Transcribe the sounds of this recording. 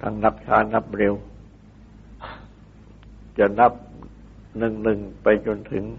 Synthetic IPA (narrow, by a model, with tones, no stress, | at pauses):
t̪ʰa̰˧ŋna˦˥p̚t͡ɕʰaː˦˥na˦˥p̚ɾe˧w | t͡ɕa˨˩na˦˥˩p̚ | nɯ˨˩ŋnɯ˨˩ŋpa˧jt͡ɕo˧nt̪ʰɯ˩˦ŋ